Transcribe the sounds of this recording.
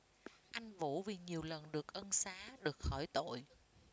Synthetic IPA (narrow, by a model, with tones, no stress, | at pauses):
ʔa˧jŋ̟vṵ˧˩vi˨˩ɲi˨˩əwlə˨˩nɗɨ˨˩ək̚ʔə˧nsaː˨˦ɗɨ˨˩ək̚xɔ˧˩jt̪o̰˧˨j